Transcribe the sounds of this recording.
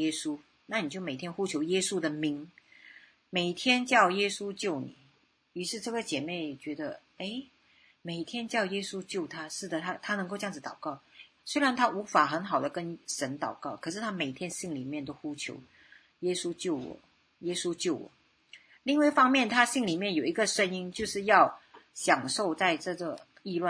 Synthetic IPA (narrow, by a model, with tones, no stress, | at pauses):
ɛ˥su˥ | na˥˩ni˨˩t͡ɕjo˥˩ʊme˨˩ɪt̪ʰjɛ˥nxu˥t͡ɕʰjo˧˥ʊjɛ˥su˥d̪ə˨mi˧˥ŋ | me˨˩ɪt̪ʰjɛ˥nt͡ɕjɑ˥˩ʊjɛ˥su˥t͡ɕjo˥˩ʊnḭ˨˩˦ | y˧˥ʂɻ̩˥˧ʈ͡ʂɤ˥˩ɡə˩t͡ɕjɛ˨˩me˥˩ɪt͡ɕɥɛ˧˥d̪ə˧ | e˥˩ɪ | me˨˩ɪt̪ʰjɛ˥nt͡ɕjɑ˥˩ʊjɛ˥su˥t͡ɕjo˥˩ʊt̪ʰa˥ʂɻ̩˥˩d̪ə˩t̪ʰa˥t̪ʰa˥nɤ˧˥ŋko˥˧ʊʈ͡ʂjɑ˥˩ŋd͡zɹ̩˧˩t̪ɑ˨˩ʊkɑ˥˩ʊ | swe˥ɪɻa˧˥nt̪ʰa˥ʔu˧˥fa˨˩xə˧˥nxɑ˨˩ʊd̪ə˦kə˥nʂə˧˥nt̪ɑ˨˩ʊkɑ˥˩ʊkʰɤ˨˩ʂɻ̩˥˩t̪ʰa˥me˨˩ɪt̪ʰjɛ˥nɕi˥˩ŋli˨˩mjɛ˥˩nt̪̬o˥ʊxu˥t͡ɕʰjo̰˧˥ʊ | jɛ˥su˥t͡ɕjo˥˩ʊwɔ̰˨˩˦ | jɛ˥su˥t͡ɕjo˥˩ʊwɔ̰˨˩˦ | li˥˧ŋwa˥˩ɪfɑ˥ŋmjɛ˥˩nt̪ʰa˥ɕi˥˩ŋli˨˩mjɛ˥˩njo˨˩ʊi˧˥ɡə˥˧ʂə˥ni˥nt͡ɕjo˥˧ʊʂɻ̩˥˧jɑ˥˩ʊɕjɑ˨˩ŋʂo˥˧ʊt͡sa˥˧ɪʈ͡ʂɤ˥˩ɡə˩ | i˥˧lwa˥˨˩